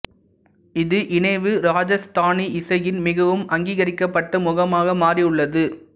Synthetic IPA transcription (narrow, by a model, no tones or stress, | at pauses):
ɪðɯʔɪnɐɪʋɯɾaːd͡ʒɐst̪aːniɪsɐjɪnmɪɣɐʋɯmɐŋɡiːɣɐɾɪkːɐpːɐʈːɐmʊɣɐmaːɣɐmaːriɯɭːɐðɯ